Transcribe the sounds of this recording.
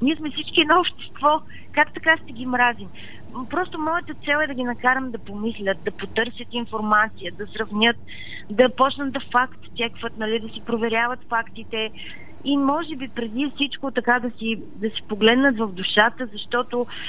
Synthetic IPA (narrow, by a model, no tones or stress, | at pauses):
niɛsmɛfsit͡ʃkʲiɛd̪nɔopʃt̪ɛ̥st̪vɔ | kakt̪ɐkaʃt̪ɛɡʲimɾazim | pɾɔst̪omɔjət̪ət̪sɛlˠɛd̪ɐɡ̟ʲinɐkaɾəmd̪ɐpomislʲət̪̚d̪ɐpot̪ɤɾsʲjət̪infoɾmat̪sijəd̪ɐsɾɐvnʲɤt̪̚ | d̪ɐpɔt͡ʃnət̪̚d̪ɐfakt̪st̪ʲɛkvət̪nɐlid̪ɐsipɾovɛɾʲjavət̪fakt̪it̪ɛ | imɔʒɛbipɾɛd̪ifsit͡ʃkot̪ɐkad̪ɐsi | d̪ɐsipoɡlɛd̪nət̪vɐvd̪uʃat̪əzɐʃt̪ɔt̪o